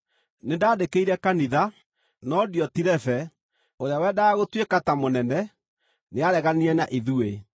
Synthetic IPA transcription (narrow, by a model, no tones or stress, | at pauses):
nendaːdekeiɾɛkaniða | nɔdjɔtiɾɛfɛ | oɾeawɛdaːɣotwekatamonɛnɛ | neaɾɛɣaniɛnaʔiðue